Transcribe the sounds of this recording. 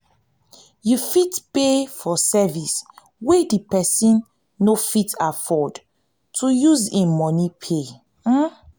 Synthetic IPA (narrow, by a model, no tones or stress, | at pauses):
jufitpefɔsɛvis | wedipɛsĩnː | ofitafɔd | tʰujuzẽmɔnipʰe